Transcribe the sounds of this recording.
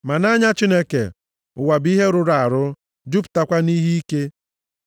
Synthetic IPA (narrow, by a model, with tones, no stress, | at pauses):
ma˨na˦ɲa˦t͡ʃi˦ne˦kḛ˨ | ʊ̰˨wa˨bi˦ɦe˦ɾʊ˦ɾa˨ɾʊ˦ | d͡ʒu˦pʊ̥˨ta˨kʷa˦ni˦ɦi˦i˦ke˦